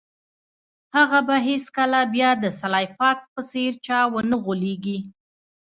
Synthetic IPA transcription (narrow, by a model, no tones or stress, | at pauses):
haɣabaɦeskalabjɑd̪əsalɑjfɑkspəseɾt͡ʃɑwənəɣoleɡi